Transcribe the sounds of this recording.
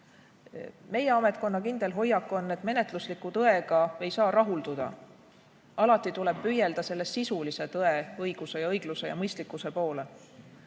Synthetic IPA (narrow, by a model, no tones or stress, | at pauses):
me̞jeɑme̞t̪̚ˑko̞nːɑkind̪̥e̞lɦo̞jːɑkːˑo̞nːe̞t̪ˑme̞ne̞t̪ˑluslikːˑut̪ɤe̞ɡɑe̞jsɑːrʔɑɦuld̪ud̪̥ɑ̰ | ɑlɑt̪ːˑit̪ule̞b̥̚pyje̞ld̪ɑse̞lːesːisulise̞t̪ɤe̞ɤjɡ̥use̞jɑɤjɡ̥lusejɑ̰mɤjst̪likːˑuse̞po̞ːle̞